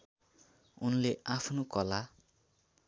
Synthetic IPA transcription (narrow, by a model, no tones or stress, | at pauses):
unleʔapʰnokʌla